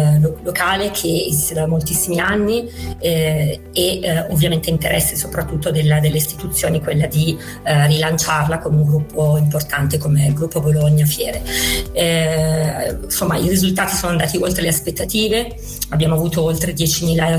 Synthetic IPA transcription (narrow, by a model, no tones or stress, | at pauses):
lokaːlekʰeḛzist̪ed̪amolt̪isːimianːi | eovːjament̪eint̪eɾʔɛsːesopɾat̪ːut̪ːod̪elːad̪elːeist̪i̥t̪ut̪sːjoːnikwelːad̪i | rilant͡ʃarlakoneuŋɡɾupːoimport̪ant̪ekomeɡɾupːoboloɲːafjɛːɾe | nsomːairizult̪aːt̪isoːnoand̪aːt̪iolt̪ɾeleaspet̪ːat̪iːve | abːjaːmoavuːt̪oolt̪ɾed̪jɛːt͡ʃimiːla